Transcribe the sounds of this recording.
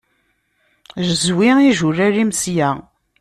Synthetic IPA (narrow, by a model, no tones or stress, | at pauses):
ʒəzwiiʒʊrːæɾimsjæ